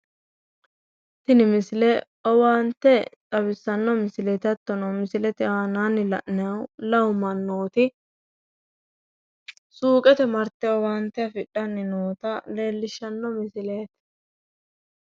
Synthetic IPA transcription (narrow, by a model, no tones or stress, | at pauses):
t̪ɪnɪmɪsɪlɛ | ɔwaːnt̪ːɛt͡sʼɐbɪsːɐnːɔmɪsɪlɛt̪ɐt̪ːɔnɐwmɪsɪlɛt̪ɪaːnaːnːɪlɐ̰ʔnɛɐwlɐwmːɐnːo̞ːt̪ɪ | suːkʼɛt̪ɛmɐɾt̪ːɛɔwaːnt̪ːɛɐfɪɗːɐnːɪnoːt̪ɐle̞ːlːɪʃːɐnːɔmɪsɪleːt̪